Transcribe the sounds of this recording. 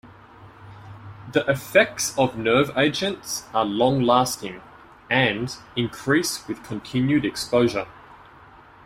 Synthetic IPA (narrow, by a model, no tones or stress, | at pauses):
ðiʔɪfɛk̚tsəvnɜːveɪd͡ʒə̃ntsəlɒ̃ŋlɑˑstɪ̃ŋ | ʔə̃ndɪ̃nkʰɹ̥iˑswɪð̥kʰə̃ntʰɪ̃njʉɾɛkspəʊʒə